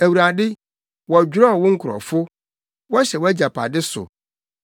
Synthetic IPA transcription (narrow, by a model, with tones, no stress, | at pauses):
æ˨wu˨ɾa˨dɪ˦ | wɔ˨æ˨d͡ʑᶣɾɔ˦˨wʊ̃˦ŋ̩˦kʰʊ˨ɾɔ̰˨fʊ˦ | wɔ˦ɕɛ˨wɔ˦æ˦d͡ʑa˨pʰa̰˨dɪ˦sʊ̰˨